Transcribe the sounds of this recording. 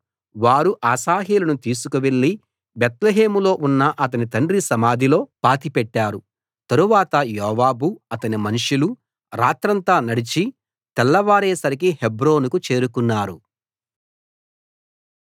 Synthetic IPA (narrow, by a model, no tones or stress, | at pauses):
ʋaːɾuʔaːsaːɦeːlɐnut̪iːsukuʋeɭːi | bet̪leɦe̞ːmulo̞ːʔunːɐʔɐt̪̬ɐnit̪ɐɳɖɾisɐmaːd̪ʱilo̞ːpaːt̪ipɛʈːaːɾu | t̪ɐɾuʋaːt̪ɐjɔːʋaːbuɐt̪ɐnimɐnuʂilu | ɾaːt̪ɾɐnt̪aːnɐɽit͡ʃi | t̪ɛlːɐʋaːɾɛːsɐɾik̬ihebɾo̞ːnukut͡ʃe̞ːɾukunːaːɾṵ